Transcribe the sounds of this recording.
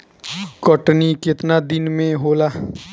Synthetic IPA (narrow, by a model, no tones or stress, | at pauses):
kɔʈnikɪt̪nad̪ɪnmẽɦoːlaː